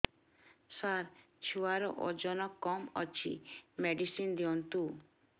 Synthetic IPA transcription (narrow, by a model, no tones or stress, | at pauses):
saɾ | t͡ʃʰuwaɾɔʔɔd͡ʒɔnɔkɔmɔt͡ʃʰḭmeɖisind̪iɔnt̪u